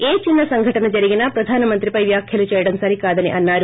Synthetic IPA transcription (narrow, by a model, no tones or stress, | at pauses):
eːt͡ʃinːɐsɐŋɡʱɐʈɐnɐd͡ʒɐɾiɡinɐpɾɐd̪ʱaːnɐmɐnt̪ɾipɐjʋjaːkʰjɐlut͡ʃɛːjɐɽɐmsɐɾikaːd̪ɐniʔɐnːaːɾu